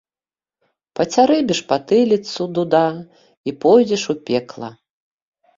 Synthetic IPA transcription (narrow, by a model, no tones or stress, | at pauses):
pɐt͡sʲaɾɛbʲɛʂpat̪ɨlʲit̪sud̪ud̪a | ipɔjd͡zʲɛʂupʲɛklˠɐ̰